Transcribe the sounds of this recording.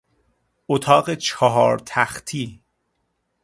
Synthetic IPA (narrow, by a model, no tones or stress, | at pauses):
ot̪ʰɒːɢet͡ʃʰɒɦɒːɾt̪ʰæxt̪ʰiː